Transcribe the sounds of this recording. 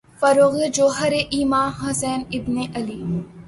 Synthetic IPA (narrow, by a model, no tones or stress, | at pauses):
fɐɾoːɣed͡ʒoːɦɐɾeʔiːmãːnɦɐsɛːnɪbneʔɐliː